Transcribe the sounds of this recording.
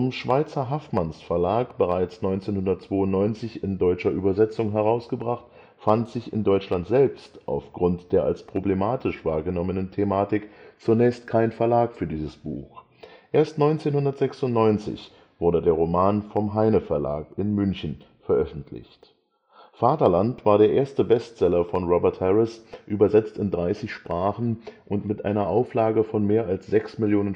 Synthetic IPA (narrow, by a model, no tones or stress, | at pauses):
ɔmʃv̥aɪt͡sɐɦafmansfɛɐlaːkb̥əʁaɪt͡snɔʏnt͡seːnhʊndɐtt͡sv̥oːʊntnɔʏnt͡sɪçɪndɔʏt͡ʃɐʔyːbɐzɛt͡sʊŋɦɛʁ̞aʊsɡ̥əbʁaχt | fantz̥ɪçɪ̰ndɔʏt͡ʃlantz̥ɛlpstʔa̰ʊfɡ̥ʁʊntd̥eːɐʔa̰lspʁ̥oblemaːtʰɪʃv̥aːɐɡənɔmənəntʰemaːtɪkt͡sunɛːçstkʰaɪnfɛɐlaːkfyːɐdiːzəsb̥uːx | ʔeːɐstnɔʏnt͡seːnhʊndɐtz̥ɛksʊntnɔʏnt͡sɪ̰ç | v̥ʊɐdədeːɐʁomaːnfɔmɦaɪnəfɛɐla̰ːkɪnmʏnçən̩ | fɛɐʔœfn̩tʰlɪ̰çt | faːtɐlantv̥aːɐɾeːɐʔeːɐstəbɛstt͡sɛlɐfɔnʁɔbɛɐthɛʁɪsʔyːbɐzɛt͡stɪndʁaɪsɪçʃpʁ̥aːχn̩ʔʊntmɪtʔa̰ɪnɐʔaʊflaːɡəfɔnmeːɐalsz̥ɛksmɪljoːnən